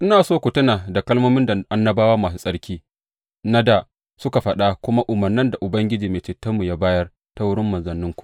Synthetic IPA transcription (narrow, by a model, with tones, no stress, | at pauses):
ʔɪ˦naː˨soː˦kʷʊ˨tʊ˦na˨da˨kɐ˦lmoː˦mɪ˦nda˨ʔa˦nːɐ˦baː˦waː˦maː˨s̬u˦sʼɐ˦ɽkʲiː˦ | na˦da˨ | sʊ˦ka˨ɸɐ˨ɗa˦kʷʊ˦ma˦ʔʊ˨mɐ˨rnɪ˦nda˨ʔʊ˨bɐ˦ŋɡʲɪ˦d͡ʒiː˨meː˨t͡ʃɪ˨tɐ˦mːu˨ja˦baː˦jɐ˦r | ta˦wʊ˦ɽɪ˦mːɐ˨nzɐ˨nːɪ˦ŋkʷu̥˨ʔ